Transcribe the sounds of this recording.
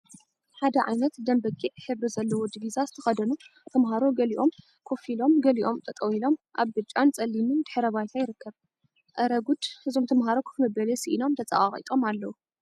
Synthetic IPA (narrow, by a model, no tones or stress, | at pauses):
ħad̪ɐʕa̰jnɐt̪d̪ɐmbɐkʼiʔħɨβɨzɐlːɐwod̪ivizazɨt̪ʰɐxɐd̪ɐnut̪ʰɐmɦaɾo̞ɡɐliʔo̞m | kʰo̞filo̞mɡɐliʔo̞mt̪ʰʼɐt̪ʼɐwilo̞mʔaβbɨt͡ʃʼant͡sʼɐlːimɨnd̪̥ɨħɾɐβajt̪ʰajɪɾɨkʰːɐβ | ʔɐɾɐɡud̪hɨzo̞mt̪ʰɐmɦaɾo̞kʰɨ̥kmɨbɐlesiʔino̞mt̪ʰɐt͡sʼɐ̰ʔʼaχʼḭt̪ʼo̞malːɐwu